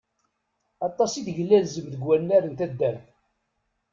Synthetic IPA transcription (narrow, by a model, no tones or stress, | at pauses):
ɑt̪ˤːɑsiθʝəlːælzəmðəɡwænːæɾənt̪æd̪ːæɾθ